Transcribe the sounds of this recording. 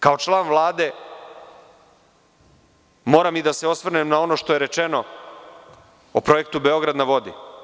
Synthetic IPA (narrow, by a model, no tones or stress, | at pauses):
kaot͡ʃlˠaːnʋlˠaːd̪e̞ | mo̞ːɾamid̪aseo̞sʋr̩nemnao̞no̞ʃt̪o̞jeɾet͡ʃeno̞ | opɾo̞jek̚t̪ubeo̞ɡɾad̪naʋo̞d̪ḭ